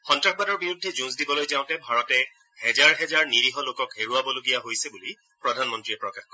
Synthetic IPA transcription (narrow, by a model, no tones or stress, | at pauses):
xɔntɹaxbadɔɹbiɹudʱːɛzũsdibɔlojzãʊ̃tɛbʱaɹɔtɛ | hɛzaɹɦɛzaɹniɹiɦɔlokɔkheɹuabɔloɡijaɦojsɛbuli | pɹɔdʱanmɔntɹiɛpɹɔkaxkɔ